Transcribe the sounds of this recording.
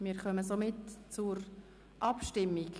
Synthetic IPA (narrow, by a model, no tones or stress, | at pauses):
mɪːɾχœməsomɪtt͡sʊɾ | ʔɑpʃtɪmːik